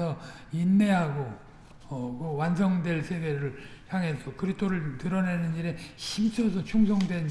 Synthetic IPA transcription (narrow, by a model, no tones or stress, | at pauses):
sʰʌ | inːe̞ɦaɡo | ʌkɯwansʰʌŋdwe̞ɭsʰe̞ɡe̞ɾɯɭçjaŋɦe̞sʰʌkɯɾitʰoɾɯɭtɯɾʌnenɯniɾe̞ɕʰimt͡ɕʰʌsʰʌt͡ɕʰuŋs̬ʰʌŋdwe̞n